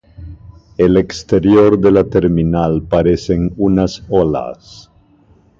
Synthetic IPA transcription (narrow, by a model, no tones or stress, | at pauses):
elekst̪eɾjoɾðelat̪eɾminalpaɾeseŋunasola̰s